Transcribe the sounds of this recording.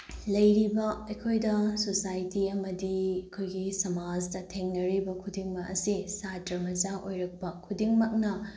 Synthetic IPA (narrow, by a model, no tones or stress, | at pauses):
lɐjɾibɐɐjkʰojdɐsosajtiɐmɐdiɐkʰojɡisɐmad͡ʒdɐtʰeŋnɐɾibɐkʰudiŋmɐk̚ɐsisatɐɾmɐd͡ʒaʔojɾɐk̚pɐkʰudiŋmɐk̚nɐ